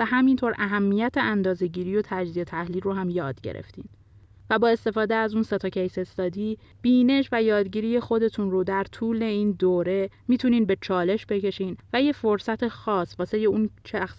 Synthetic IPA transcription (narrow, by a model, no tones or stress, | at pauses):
æhæmint̪ʰoɾʔæɦæmːijæt̪ʰe̞ʔænd̪ɒːze̞ɟiːɾijo̞t̪ʰæd͡ʒziːet̪ʰæhliːlɾoɦæmjɒːd̪̥ɟe̞̰ɾʔḛft̪ḭːn | væbɒːe̞st̪e̞fɒːd̪eæzuːnse̞t̪ʰɒcʰejse̞st̪ɒːd̪iː | b̥iːne̞ʃvæjɒːd̪ɟiːɾije̞xo̞d̪e̞t̪ʰunrod̪æɾt̪ʰuːle̞iːnd̪oːɾe̞miːt̪ʰuniːnbe̞t͡ʃʰɒːle̞ʃbe̞ce̞ʃiːnvæje̞fo̞ɾsæt̪ʰe̞xɒːsvɒːse̞jeunt͡ʃʰæxs